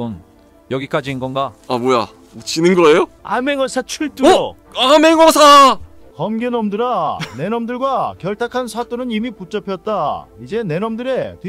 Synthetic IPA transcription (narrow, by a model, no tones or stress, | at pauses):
on | jʌɡik͈ad͡ʑiinɡʌnɡaamoja | t͡ɕinɯnɡɯɾʌejoa̰meŋʌsʰat͡ɕʰuɭt͈uo | ameŋʌsʰa | kʌmɡenʌmdɯɾane̞nʌmdɯɭɡwakjʌɭtʰakʰansʰat͈onɯnimiput͡ɕ͈ʌpʰjʌt̚t͈aid͡ʑe̞ne̞nʌmdɯɾe̞t